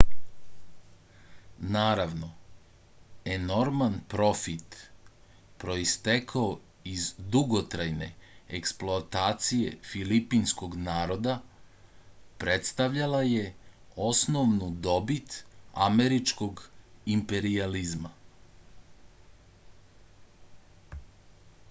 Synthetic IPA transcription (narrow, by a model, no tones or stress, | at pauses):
naːɾaʋno̞ | e̞no̞ɾmanpɾo̞fit̪ | pɾo̞ist̪ekʰao | izd̪uɡo̞t̪ɾajne̞̰eksploat̪aːt̪sije̞̰filipinsko̞ɡnaːɾo̞d̪a | pɾe̞t̪st̪aʋʎalaje̞o̞sno̞ʋnud̪o̞bit̪a̰me̞ɾit͡ʃko̞ɡimpe̞ɾializma̰